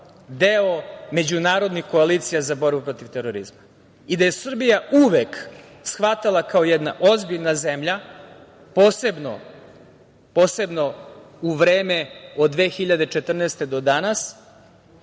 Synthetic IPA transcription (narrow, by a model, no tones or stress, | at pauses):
d̪eome̞d͡ʑunaːɾo̞d̪nixko̞aliːt̪sijazabo̞ɾbupɾo̞t̪iʋt̪eɾoɾḭzma | id̪aje̞sr̩bijauʋek | sxʋat̪alˠakaojɛd̪naʔozbiʎnazemʎa | poːsebno̰ | po̞ːsebno̞uʋɾe̞ːmeo̞d̪d̪ːʋe̞ːxiʎad̪e̞t͡ʃe̞t̪r̩neːst̪e̞d̪o̞d̪anas